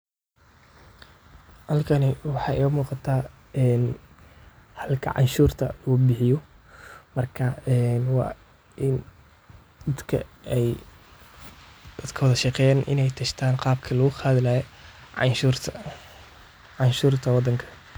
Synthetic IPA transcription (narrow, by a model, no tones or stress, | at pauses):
hɐlkʰɐnɪwɑħɑːʔɪɣɐmuːqɑt̪ʰaː | ɛːn | hɐlkʰɐ̰ʕɑ̰nʃuːrt̪ʰɐ̰ubɪħɪjɔ | mɐrkʰɐɛnwɑ̰ː | ʔɪn | d̪ɐd̪kʰɐ̰ɛj | d̪̥ɐd̪kʰɐwɔðɐʃɑqɛjanʔɪ̰nɛjt̪ʰɐʃt̪ʰaːnqɑːb̚kʰɐlɐɣʊqɑːðɪlaːjɔʕɑnʃuːrt̪ʰɐ | ʕɑnʃuːrt̪ʰɐwɑd̪ːɐŋkʰɐ̥